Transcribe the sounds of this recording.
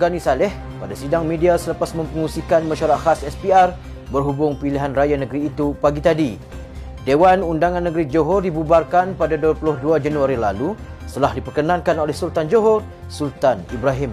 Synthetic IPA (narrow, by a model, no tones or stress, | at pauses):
ɡanisalɛh | padasidaŋmẽdiasələpasmə̃mpəŋusikanmãʃaɾaʔhasɛspiar | bərɦubʊŋpiliɦanrajanəɡɾiːt̪upaɡit̪adi | dewanundaŋãnːəɡɾid͡ʒoɦɔrdibubarkanpadaduəplʊhduad͡ʒanuaɾilalu | sət̪əlahdipərkənãŋkanolɛhsult̪and͡ʒoɦɔr | sult̪anibɾaɦɪm